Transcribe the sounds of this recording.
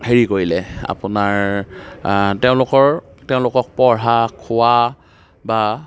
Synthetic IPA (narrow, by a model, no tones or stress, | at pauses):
heɹikoɹilɛa̰pʊnaɹ | teʊ̃lʊkɔɹ | teʊ̃lʊkɔk̚pɔɹɦakʰʊa | ba